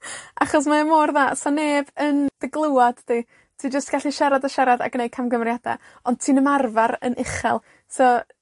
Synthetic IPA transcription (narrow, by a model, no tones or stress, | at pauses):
aχɔs̬maəmoːrðaːsɔneːbənd̥əɡlˠuwad̥d̥i | tʰiːd͡ʒəstɡ̥aɬiʃɛɾadaʃɛɾada̰ɡnej̚kʰamɡəmrjada̰ | ɔnd̚tʰiːnəmarvaɾə̰nʔɪχɛ̰lˠ | sɔ